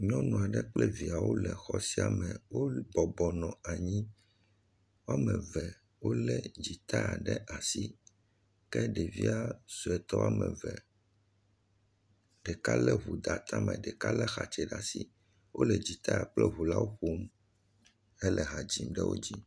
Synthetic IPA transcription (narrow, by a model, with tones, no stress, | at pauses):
ɲɔ̃˦nɔ̃˨a˨ɖɛ˦k͡plɛ˦vi˨a˨wo˦lɛ˨xɔ˦si˦a˨mɛ̃˨wo˦bɔ˨bɔ˨nɔ̃˨a˨ɲĩ˦ | wo˦a˦mɛ̃˨vɛ˨ | wo˦lɛ˦d͡ʑi˨t̪a˦ja̰˨ɖɛ˦ʔa˨si˦ | kɛ˦ɖɛ˨vi˦a˨su˨ɛ˨t̪ɔ˦wa̰˦mɛ̰̃˨vɛ˨ | ɖɛ˨ka˦lɛ˦ɦu˨d̪a˨t̪a˦mɛ̰̃˨ɖɛ˨ka˦lɛ˦xa˨t͡ʃɛ˨ɖa˨si˦ | wʔo˦lɛ˨d͡ʑi˨t̪a˦ja˨k͡plɛ˦ɦu˨la˦wo˦ɸo˨˦m | ɛ˦lɛ˨ɦa˨d͡ʑi˨mɖɛ˦wo̰˦d͡ʑi˦